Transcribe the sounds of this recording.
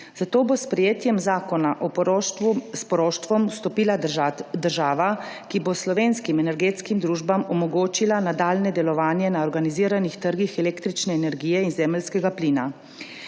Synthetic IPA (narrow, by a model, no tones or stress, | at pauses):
zat̪oːbospɾɛjeːt̪jɛmzaːkɔnaʔɔ | spɔɾoʃt̪ʋɔmst̪ɔpiːlad̪əɾʒaːʋakiboslɔʋeːnskimɛnɛɾɡeːt̪skimd̪ɾuːʒbamɔmɔɡoːt͡ʃilanad̪aːlnɛd̪ɛlɔʋaːnjɛnaɔɾɡaniziːɾanixt̪əɾɡixɛleːkt̪ɾit͡ʃnɛːnɛɾɡiːjɛinzɛːməlskɛɡapliːna